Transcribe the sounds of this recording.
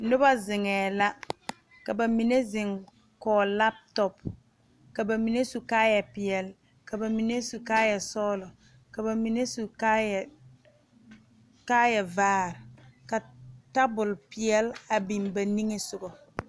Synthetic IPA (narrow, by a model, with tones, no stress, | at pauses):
nʊ˦ba˦zɪ˨ŋɛː˨la˦ | ka˨ba˨mi˨ne˦zɪ˨ŋ | kɔː˨la˦p̚tɔ˨p | ka˨ba˨mi˨ne˦su˨kaː˦jɛ˨pɪ˨ɛ˨l | ka˨ba˨mi˨ne˦su˨kaː˦jɛ˨sɔː˦lɔ˨ | ka˨ba˨mi˨ne˦su˨ka˦˨ | kaː˦jɛ˨vaː˦ɾka˨ta˦bʊ˨lpɪ˨jɛ˦la˨bi˨mba˨ni˦ŋe˦sʊ˨ɡɔ˨